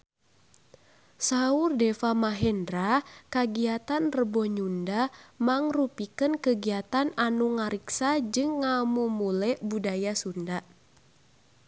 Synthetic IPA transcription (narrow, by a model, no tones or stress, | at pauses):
saurdɛfamaɦɛndɾakaɡiat̪anrəbɔɲundamaŋrupikənkəɡiat̪ananuŋaɾiksad͡ʒɨŋːamumulɛʔbudajasundaʔ